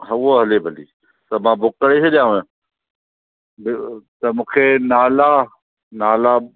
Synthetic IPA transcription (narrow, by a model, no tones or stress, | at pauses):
ɦəwoːɦəleːbʱəlḭː | t̪əmãːbʊkəɽesʰeɗɪjãːẽ | bt̪ɐmũːkʰeːnaːlaː | naːlaː